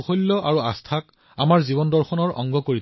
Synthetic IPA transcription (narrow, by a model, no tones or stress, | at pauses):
xolːɔʔaɹuastʰak | amaɹzibɔndɔɹxɔnɔɹɔ̰ŋɡɔkoɹit